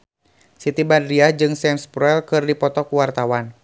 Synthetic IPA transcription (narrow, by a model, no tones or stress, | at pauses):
sit̪ibadɾiad͡ʒɨŋsɛmspɾɛlkɨrdipɔt̪ɔkuwart̪awan